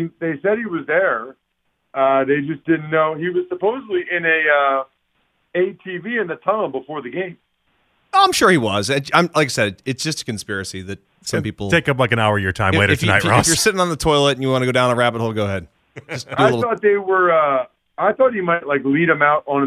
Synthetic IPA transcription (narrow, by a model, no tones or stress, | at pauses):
ðeɪsɛɾ̚hiwʌzðə˞ | ʌðeɪd͡ʒʌsd̥ɪdⁿn̩noʊiwʌz̥səpoʊzədˡliʔɪ̃nɨʌ | eɪtʰiviɨ̃nðɨtʰãʊ̃l̩ˠbəfɔɹðɨɡẽɪ̃m | oʊãɪ̃mʃʊɹiwʌzɨ̃ãɪ̃mlaɪk̬aɪsɛɾɨɨtsd̥ʒ̥ʌstə̥kɨ̃n̩spɪɹɨsiðɨt̚ | sʌ̃mpipl̩ˠtʰeɪkʌp̬laɪkɨ̃naʊə˞jə˞tʰãɪ̃meɪɾɨɨfnaɪɹjə˞sɪɾɪ̃ŋə̃nðətʰɔɪlˠətn̩jɨwɑ̃nɨɡoʊɾãʊ̃ñəɹæpəɾ̚holˠɡoʊəɦɛd̥̚ | ʌsiɪlɪɾl̩θɔt̪̚ðeɪwə˞ʌ | aɪθɔt̚himaɪtˡlaɪkliɾɨ̃maʊɾn̩